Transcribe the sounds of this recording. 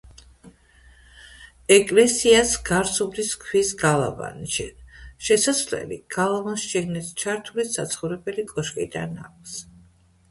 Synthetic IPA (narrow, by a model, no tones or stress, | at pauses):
ɛkʼlɛsiasɡaɾsubd̪iskʰwisɡalˠa̰va̰nʃɛ̰ʃɛsaslɛ̰lḭɡ̥alˠavansʃɛɡnist͡ʃʰaɾt̪ʰulissa̰t̪sʰχɔvɾɛbɛlikʼɔʃkʼḭd̪a̰na̰k̚ʷʰs